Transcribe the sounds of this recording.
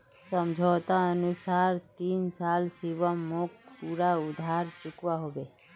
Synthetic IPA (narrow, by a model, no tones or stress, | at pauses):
səmd͡ʒʱot̪aənusaɾt̪insalsiʋəmːokpuɾaud̪ʱaɾt͡ʃukʋaɦoʋe